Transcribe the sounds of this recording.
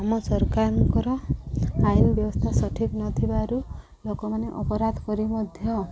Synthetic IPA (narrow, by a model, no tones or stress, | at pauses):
amɔsɔɾkaɾɔŋkɔɾɔainbjɔbɔst̪ʰasɔʈʰiknɔt̪ʰibaɾu | lokɔmaneʔɔpɔɾad̪ʱɔkɔɾimɔd̪ʱjɔ